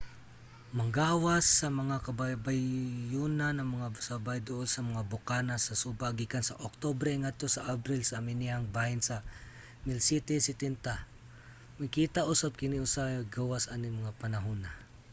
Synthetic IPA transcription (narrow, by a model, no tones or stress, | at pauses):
mɐŋɡawasːɐmɐŋakababajːunanɐmaŋasabajd̪oʔolsɐmɐŋabʊkanasɐsubaɡikansaʔok̚t̪obɾɛŋat̪osaʔabɾɪlsaːmɪniaŋbahɪnsa | mɪlsit̪ɛsɪt̪ɛnt̪a | makit̪aʔusab̚kɪniʊsaɡawasanɪmaŋapanaɦuna